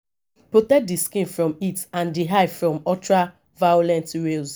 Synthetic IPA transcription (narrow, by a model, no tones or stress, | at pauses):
pɹotɛk̚diskĩnfɹɔ̃mitãndiɦaɪfɹɔ̃mɔtɹa | vajolɛ̃ntɹels